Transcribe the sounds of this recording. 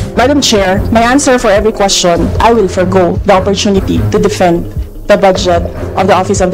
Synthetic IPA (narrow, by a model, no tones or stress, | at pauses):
mad̪ɐ̃mt͡ʃɛɹmajʔãnsɛɹfɔɹɛvɹikwɛst͡ʃɔ̃nʔa̰jwɪlfɔɹɡoðɐɔpɔɹt̪unɪt̪it̪ud̪ɪfɛ̃nd̪ | d̪ɐbʌd͡ʒɛt̪̚ʔɔvd̪ɐʔɔfɪsɔvd̪